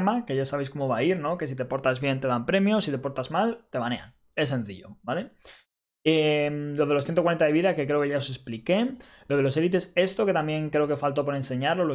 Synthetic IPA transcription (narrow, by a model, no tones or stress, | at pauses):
make̞ʝasaβe̞jsko̞mo̞βaiɾno̞ke̞s̬it̪e̞po̞ɾt̪azβjent̪e̞ðampɾe̞mjo̞sit̪e̞po̞ɾt̪azmalt̪e̞βane̞̰a̰n | e̞sːe̞n̟θḭʎo̞̰bale̞ | emlo̞ð̞e̞los̬θjet̪owae̞nt̪aðe̞βiðake̞kɾe̞o̞ke̞ʝaose̞splike̞ | lo̞ð̞e̞lo̞se̞lit̪̬e̞se̞st̪o̞ke̞t̪amje̞ŋkɾe̞o̞kefalt̪o̞p̬o̞ɾe̞nse̞ɲaɾlo̞lo